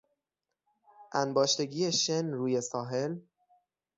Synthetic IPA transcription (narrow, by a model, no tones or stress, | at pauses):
ʔænbɒːʃt̪e̞ɡiːjeʃenɾuːje̞sɒːɦe̞l